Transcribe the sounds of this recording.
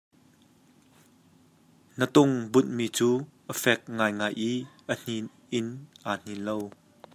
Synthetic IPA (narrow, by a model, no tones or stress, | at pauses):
nət̪ʊŋbʊt̪̚miːt͡suːʔəfɛk̚ŋaːjŋaːjʔiːʔən̥in | ʔɪnʔaːn̥inlow